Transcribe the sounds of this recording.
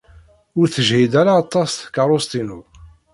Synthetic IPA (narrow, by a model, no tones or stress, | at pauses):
ʊɾθəʒhid̪æɾaːt̪ˤːɑsθkaɾˤost̪inu